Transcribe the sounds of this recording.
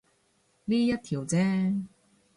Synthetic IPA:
liː˥jɐ˥t̚t̪ʰiː˨˩wt͡sɛː˥

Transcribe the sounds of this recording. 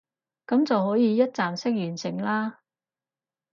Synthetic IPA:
kɐ˨˥mt͡sɐ˨whɔː˨˥jiː˨˧jɐ˥t̚t͡saː˨msɪ˥k̚jyː˨˩nsɪ˨˩ŋlaː˥

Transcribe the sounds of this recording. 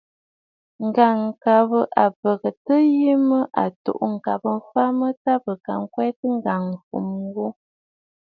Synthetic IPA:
ŋ̩˨ɡa˨ŋ˨ka˨bə˦ʔa˨pə˨ɣə˨tə˦ji˦mə˦ʔa̰˨to̰˨ʔŋ̩˨ka˨pə˦m̩˦fa˦mə˦ta˦bə˨ka˨ŋ̩˦kwɛ˦tə˦ŋ̩˦ɡa˨ŋ̩˨fṵ˨m˦wo˦

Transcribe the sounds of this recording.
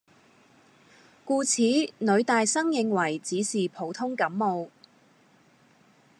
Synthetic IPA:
kuː˧t͡sʰiː˨˥nɵ˨˧ɥt̪aː˨jsɐ˥ŋjɪ˧ŋwɐ˨˩jt͡siː˨˥siː˨pʰo˨˧wt̪ʰʊ˥ŋkɐ˨˥mːo˨˧w

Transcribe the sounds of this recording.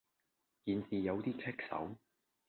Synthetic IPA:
jiː˨nsiː˨jɐ˨˧wt̪iː˥t͡sʰɛ˥k̚sɐ̰˨˥w

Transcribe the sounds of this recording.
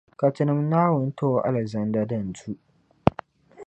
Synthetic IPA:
ka˨tɪ˦nɪ˦mnaː˦wʊ˨n˦tʰo˦ʔa̰˦lɛ˨zɐ˦ndaː˦dɐ˦˨n˨tu˦ʔ

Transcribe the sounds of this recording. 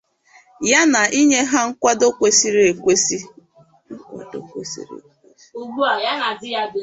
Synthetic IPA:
ja˦na˨ʔi˦ɲe˦ɦa˦ŋ̩˦kʷa˦do˦kʷe˦si˦ɾe˨kʷe˦si˦ | ŋ̩˦kʷa̰˨do̰˦kʷḛ˦sḭ˦ɾḛ˨kʷe˦su˨ɡ͡bu˦a˨ja˦na˨dɪ˦ja˦de˨

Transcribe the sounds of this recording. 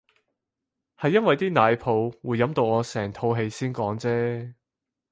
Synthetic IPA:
hɐ˨jːɐ˥nwɐ˨jt̪iː˥naː˨˧jpʰo˨˧wwuː˨˧jːɐ˨˥mt̪o˧wɔː˨˧sɛː˨˩ŋt̪ʰo˧wɦe˧jsiː˥nkɔː˨˥ŋt͡sɛː˥

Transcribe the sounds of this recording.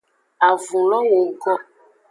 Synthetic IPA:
a˨vũ˨lɔ˦ŋu˨ɡɔ˦

